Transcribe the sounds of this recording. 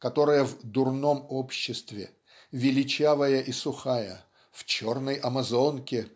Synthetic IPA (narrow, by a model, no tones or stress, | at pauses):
kɐt̪o̞ɾəjəvd̪ʊrno̞mopɕːɪst̪vʲɪ̰ | vʲɪlʲɪt͡ɕavəjəʔisʊxajə̰ | ft͡ɕornəjʔɐmɐzo̞nkʲɪ